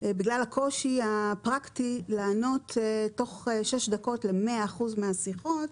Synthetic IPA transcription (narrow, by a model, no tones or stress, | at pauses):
ebiɡlalakʰo̞ʃiapʁaktilaːno̞tʰto̞χeʃeʃdako̞tle̞meaːχuzmeasiχo̞t